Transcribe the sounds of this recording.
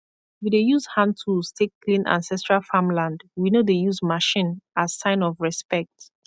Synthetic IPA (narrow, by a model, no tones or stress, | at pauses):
widejuzhãntʰustʰeklĩnʔã̰nsɛstɹalfamlãndwinodejuzmaʃĩnazsãɪ̃nɔvɹɛspɛk̚t